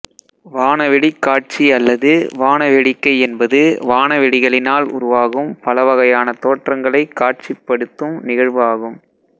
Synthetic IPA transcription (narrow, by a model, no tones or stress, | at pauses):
ʋaːnɐʋɛɽikːaːʈ̚t͡ʃiɐlːɐðɯʋaːnɐʋɛɽɪkːɐɪɛnbɐðɯʋaːnɐʋɛɽɪɣɐɭɪnaːlʊ̰ɾʊʋaːɣɯmpɐlɐʋɐɣɐjaːnɐt̪oːʈrɐŋɡɐɭɐɪkːaːʈ̚t͡ʃɪpːɐɽɯt̪ːɯmnɪɣɐɻʋɯaːɣɯm